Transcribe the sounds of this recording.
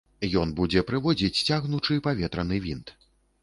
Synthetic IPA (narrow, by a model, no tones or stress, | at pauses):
jɔnbud͡zʲɛpɾɨvɔd͡zʲit͡sʲt͡sʲaɣnut͡ʂɨpavʲɛt̪ɾɐnɨvʲint̪